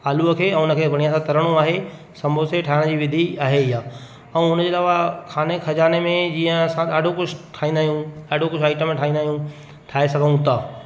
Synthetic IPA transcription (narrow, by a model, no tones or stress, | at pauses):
aːluəkʰeːɛ̃ːʊnəkʰeːbʱɐɽ̃ijãsãt̪ɐɾəɽ̃ũaːɦe | sɐ̃mbʱoseʈʰaːɪɽ̃d͡ʑiːʋɪd̪ʱiaːɦeɪjaː | ɛ̃ʊnəd͡ʑeːlaːʋakʰaːnekʰɐd͡ʑaːnemẽd͡ʑiːə̃ɐsãɗaːɖʱokʊd͡ʑʰʱʈʰaːɦĩnd̪aːɦjũaːɖʱokʊd͡ʑʰaːɪʈəmẽʈʰaːĩːnd̪aːɦjũ | ʈʰaːesɐɡʱənũt̪ʰaː